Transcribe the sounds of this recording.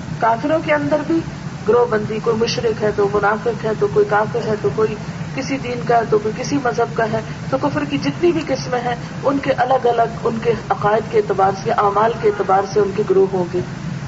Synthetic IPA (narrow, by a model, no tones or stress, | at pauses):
kaːfɪɾõkeɐ̃nd̪əɾbʱi | ɡʊɾoːɦbɐ̃nd̪ikoːimʊʃɾɪkɦɛt̪omʊnaːfɪqɦɛt̪okoːikaːfɪɾɦɛt̪okoːikɪsid̪iːnkaɦɛt̪okoːikɪsimɐzɦəb̚kaɦɛː | t̪okʊfəɾkid͡ʒɪt̪nibʱiqɪsmɦɛ̃ | ʊnkeʔɐləɡɐləɡʊnkeɐqaːɪd̪keːt̪ɪbaːɾsjaʔaːmaːlkeːt̪ɪbaːɾseʊnkeɡʊɾoːɦɦõːŋɡeː